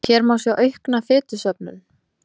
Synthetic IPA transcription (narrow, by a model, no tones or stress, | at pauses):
çɛɾmawsjɛwʔœɥhknafɪːt̪ʏsœpnʏ̰n